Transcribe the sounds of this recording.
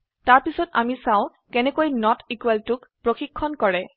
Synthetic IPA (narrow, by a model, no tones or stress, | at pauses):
taɹpisɔta̰misãʊ̃ | kɛnɛkojnɔtʰikwɛltʊkpɹoxikʰːɔnkɔɹɛ